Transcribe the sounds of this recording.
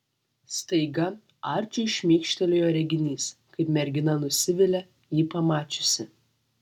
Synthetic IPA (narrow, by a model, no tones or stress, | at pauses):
st̪ɐɪɡɐ | ɑːɾʲt͡ʃʲʊɪʃʲmʲiːkʃʲt̪ʲɛlʲojoːɾʲɛɡʲɪnʲiːskɐɪpmʲɛɾʲɡʲɪnɐnʊsʲɪʋʲɪlʲɛ | jiːpɐmɑːt͡ʃʲʊsʲɪ